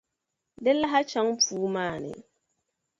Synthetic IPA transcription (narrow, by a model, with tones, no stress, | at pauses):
dɛ˦la˦ɦa˦t͡ʃa˨˦ŋpuː˦maː˦˨nɪ̰˨